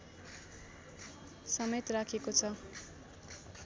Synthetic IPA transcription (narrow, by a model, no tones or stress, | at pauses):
sʌmet̪rakʰekot͡sʰʌ